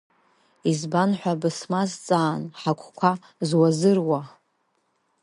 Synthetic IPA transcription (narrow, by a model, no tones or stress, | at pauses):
izbanħʷᶣabɨsmazt͡sʼaːnħakʷʰʼkʷʰa | zwazɨrwa